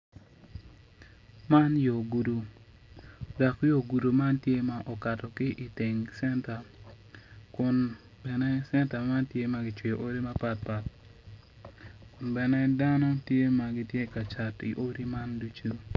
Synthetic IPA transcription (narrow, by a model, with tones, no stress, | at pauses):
ma˦njo˨ɡu˨du˨ | da˨kjo˨ɡu˨du˨ma˦ntje˦ma˨ʔɔ˨ka˨tɔ˨kɪ˦ʔi˨tɪ˨ŋsɛ˦nta˨ | kʊ˨n | bɛ˨nɛ˦sɛ˦nta˨ma˦ntje˦ma˨˦ɡɪ˨t͡ʃwi˨ʔo˦ɾi˦ma˦pa˦t̚pa˨t | kʊ˨nbɛ˨nɛ˦da˦nɔ˦tje˦ma˨ɡɪ˦tje˦ka˨t͡ʃa˨tḭ˨ʔo˦ɾi˦ma˦ndu˦t͡ʃu˦